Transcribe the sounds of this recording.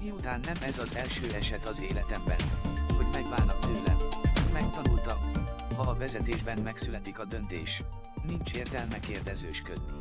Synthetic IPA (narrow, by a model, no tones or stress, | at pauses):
miut̪aːnːɛmɛzɒzɛlʃøːɛʃɛt̪ɒzeːlɛt̪ɛmbɛ̰nho̞ɟmɛɡvaːlnɒk̚t̪øːlɛ̰nmɛk̚t̪ɒnult̪ɒkhɒːvɛzɛt̪eːʒbɛnmɛksylɛt̪ikɒd̪ønt̪ḛːʃ | nint͡ʃeːrt̪ɛlmɛkeːrd̪ɛzøːʃkød̪i